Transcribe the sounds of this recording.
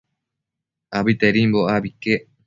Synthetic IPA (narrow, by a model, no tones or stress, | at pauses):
abit̪eɾimboabike